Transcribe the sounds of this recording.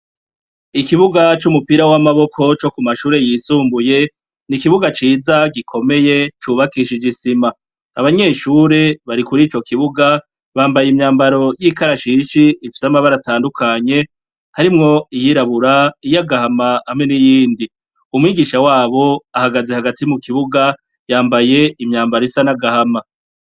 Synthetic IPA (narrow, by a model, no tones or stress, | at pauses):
ikiβuɡat͡ʃumupiɾawamaβo̞kʰo̞t͡ʃo̞kumaʃuːɾe̞jiːsuːmbuje̞ | nikiβuɡat͡ʃiːzaɡikʰo̞me̞je̞t͡ʃuːβakiʃid͡ʒisima | aβaɲe̞ːʃuːɾe̞βaɾikuɾiːt͡ʃo̞kiβuɡa | βaːmbajimɲaːmbaɾo̞jiːkaɾaʃiʃiːfi̥samaβaɾataːndukʰaɲe̞ | haɾimŋo̞ijiɾaβuɾaijaɡahamaamŋe̞nijiːndi | umŋiːɡiʃawaːβo̞ahaɡaze̞haɡatimukʰiβuɡa | jaːmbaje̞imɲaːmbaɾoisanaɡahama